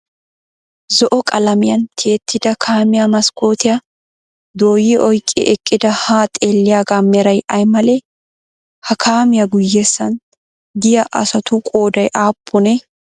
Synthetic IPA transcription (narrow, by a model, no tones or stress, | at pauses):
zɔʔɔkʼɐlɐmɪjɐnt̪ʰeːt̪ʰːɪd̪ɐkʰaːmɪjamɐskoːt̪ɪjɐ | d̪oːjɪʔɔjkʼːɪ̰ʔɛkʼːɪd̪ɐhaːt̪ʼeːlːɪjaːɡaːmɛɾɐjɐjmɐlɛ | hɐkʰaːmɪjɐɡʊjːeːsːɐn | d̪ɪjɐʔɐ̰sɐt̪ʊkʼoːd̪ɐjʔaːpʰːɔnɛ